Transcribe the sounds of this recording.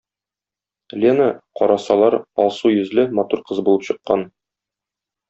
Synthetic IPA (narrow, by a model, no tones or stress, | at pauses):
lʲenəqɒɾɑsɑlˠɑɾɒ̰lˠsujɵ̆zlɘmɒt̪uɾqɤzbulˠɤpɕɤ̆qːɑn